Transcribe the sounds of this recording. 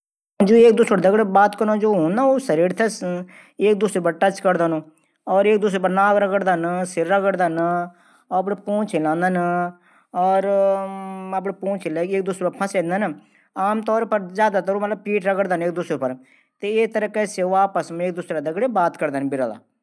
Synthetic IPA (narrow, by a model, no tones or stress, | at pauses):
d͡ʒoːeːk̚d̪ʊsoɽd̪əɡɽeːbaːt̪kəɾnõːd͡ʒoːɦoːnd̪aːoːsəɾiːɾt̪ʰɛs | eːk̚d̪ʊseːpəɾʈət͡ʃkəɾd̪aːnũː | ɔːɾeːk̚d̪ʊsepəɾnaːkɾəɡəɽd̪aːnsɪɾəɡəɽd̪aːn | ɔːəpɽeːpõːt͡ʃʰeːlãːnd̪aːn | ɔːɾ | əpɽeːpõːt͡ʃʰeleːk̚d̪ʊseːpəɾpʰə̃sẽːnd̪aːn | aːmt̪ɔːɾpəɾzjaːd̪aːt̪əɾuːmət̪ləb̚piːʈɾəɡəɽd̪aːneːk̚d̪ʊsɾepəɾ | t̪eːeːt̪əɾəkɛːseoaːpəsmeːkd̪ʊsɾad̪əɡɽeːbaːt̪kəɾd̪aːnbɪɾa̰ːla̰ː